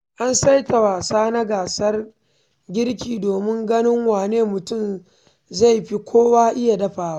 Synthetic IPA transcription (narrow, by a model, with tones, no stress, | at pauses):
ʔa˦nsa˦jta˨waː˨saː˦na˦ɡaː˨sɐ˦r | ɡʲɪ˦ɽkʲiː˨doː˨mɪ˦ŋɡɐ˦nɪ˦ŋwaː˨neː˦mʊ˨tʊ˦m | za˦˨jɸi˦kʷʰoː˦waː˦ʔɪ˦ja˨dɐ˦ɸaː˨waː˦